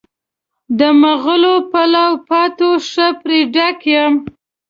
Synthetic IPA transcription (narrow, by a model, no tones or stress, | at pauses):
d̪əməɣəlopalawpat̪oʂəpɾeɖakjəm